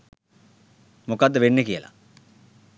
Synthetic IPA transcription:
mukad̪ːəʋenːekijəla̰

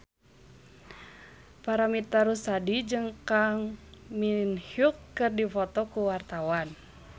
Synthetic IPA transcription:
paɾamit̪aɾusadid͡ʒɨŋkaŋminhjukːɨrdifɔt̪ɔkuwart̪awan

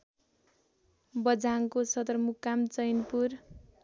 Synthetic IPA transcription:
bʌd͡zaŋkosʌd̪ʌrmukːamt͡sʌjnpur

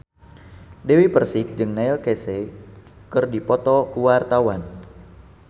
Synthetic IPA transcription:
dewipərsɪk̚d͡ʒɨŋnailkɛsɛ | kɨrdipɔt̪ɔkuwart̪awan

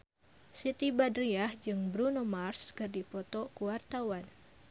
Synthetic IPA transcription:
sit̪ibadɾiahd͡ʒɨŋbɾunomarskɨrdipɔt̪ɔkuwart̪awan

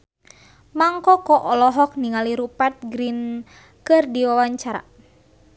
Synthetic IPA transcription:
maŋkɔkɔʔɔlɔɦɔk̚niŋaliɾupat̪̚ɡɾin | kɨrdiwawaɲt͡ʃaɾa̰

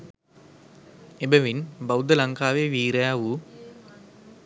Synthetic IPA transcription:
ebɐʋinbɐwd̪ɐlɐŋkaːʋeːʋiːɾɐjaːwu

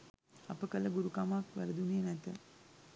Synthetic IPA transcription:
ɐpːɐkɐlːɐɡuɾukamaːkʋɐ̰ɾɐd̪uneːnɛt̪ːɐ

